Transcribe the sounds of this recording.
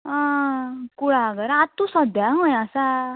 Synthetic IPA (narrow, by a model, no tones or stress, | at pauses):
ã | kuɽaɡəɾat̪ːusɔd̪jaɦõjasa